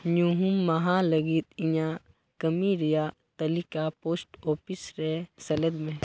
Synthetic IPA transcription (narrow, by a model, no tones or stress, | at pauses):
nuɦumːɐɦaləɡit̪̚ĩjã | kəmiɾija | t̪ɐlikapoːsʈɔːpisɾɛsɐləd̪mẽ